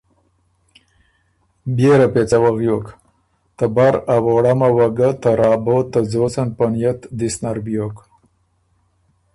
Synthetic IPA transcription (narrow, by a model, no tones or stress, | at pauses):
bjeɾapet͡sawaɣjok | t̪abaɾawoɽamawaɡat̪aɾɑːbot̪əzosanpanjat̪d̪isnaɾbijok